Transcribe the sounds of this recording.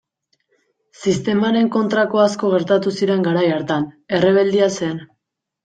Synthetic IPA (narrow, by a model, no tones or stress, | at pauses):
sist̪e̞maɾe̞ŋko̞nt̪ɾako̞asko̞ɣ̞e̞ɾt̪at̪usiɾe̞ŋɡaɾajaɾt̪ane̞re̞β̞e̞ld̪iase̞n